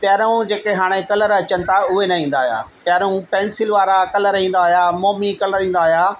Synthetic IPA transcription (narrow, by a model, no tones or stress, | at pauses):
pjaːɾũd͡ʑeːkeɦaːɽ̃ekɐləɾɐt͡ɕənɪ̆t̪ʰaʊɦenɐĩːn̆d̪aːɦija̰ːpjaːɾũpɛ̃ːnsɪlʋaːɾakɐləɾɦĩːn̆d̪aːɦijamoːmikɐləɾĩːn̆d̪aːɦjaː